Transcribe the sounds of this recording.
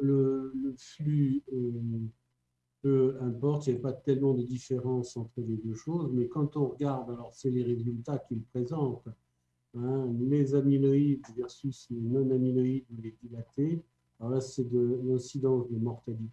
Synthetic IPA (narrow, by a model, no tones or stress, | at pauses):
lələflyø | pøɛ̃pɔʁt̪jɛpat̪ɛlmɑ̃d̪əd̪ifeʁɑ̃sɑ̃t̪χəled̪øʃozmɛkɑ̃t̪ɔ̃ʁəɡaʁd̪alɔʁsɛleʁezylt̪akʲilpχezɑ̃t̪ | ɛ̃lezaminɔid̪vɛʁsyslenɔ̃naminɔid̪ulɛd̪ilat̪e | alɔʁlasɛd̪əlɛ̃sid̪ɑ̃sd̪əmɔʁt̪ali